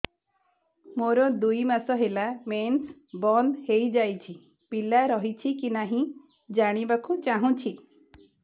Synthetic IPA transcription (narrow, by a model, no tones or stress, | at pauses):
moɾɔd̪ujmasɔɦelamensbɔnd̪hejd͡ʒajt͡ʃʰi | pilaɾɔɦit͡ʃʰikinaɦĩ | d͡ʒaɽ̃ibakut͡ʃaɦũt͡ʃʰi